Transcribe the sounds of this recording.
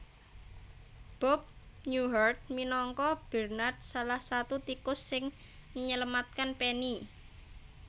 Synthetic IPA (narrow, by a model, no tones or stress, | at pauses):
b̥ɔp̚nuɦart̪̚minɔŋkɔb̥ɛrnart̪̚salahsat̪ut̪ikʊsːɪŋ | məɲələmat̪̚kanpeni